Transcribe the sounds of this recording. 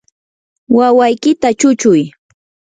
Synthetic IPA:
wawajkɪt̪at͡ʃʊt͡ʃʊj

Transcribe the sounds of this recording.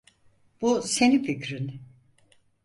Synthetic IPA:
b̥use̞nificɾin

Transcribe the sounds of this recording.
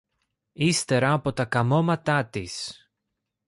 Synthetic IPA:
ist̪e̞ɾɐːpo̞t̪ɐkɐmo̞mɐt̪ɐt̪is

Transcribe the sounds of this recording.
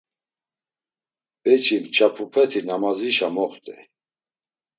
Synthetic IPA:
b̥ɛt͡ʃʰimt͡ʃʰapʰupʰɛt̪ʰinamaziʃamɔχt̪ʼɛ

